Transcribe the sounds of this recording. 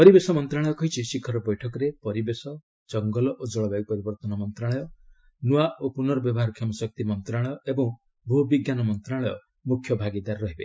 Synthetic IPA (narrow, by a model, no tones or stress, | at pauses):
pɔɾibesɔmɔnt̪ɾaɭɔjɔkɔɦit͡ʃʰisikʰɔɾɔbɔjʈʰɔkɔɾepɔɾibesɔ | d͡ʒɔŋɡɔlɔʔod͡ʒɔɭɔbaɡ̚pɔɾibɔɾt̪ɔnɔmɔnt̪ɾaɭɔjɔ | nuaʔopunɔɾɔbjɔbɔɦaɾkʰɔmɔsɔk̚t̪imɔnt̪ɾaɭɔjɔebɔ̃ŋ | bʱubiɡjanɔmɔnt̪ɾaɭɔjɔ̰ | mukʰjɔbʱaɡid̪aɾɾɔɦibḛ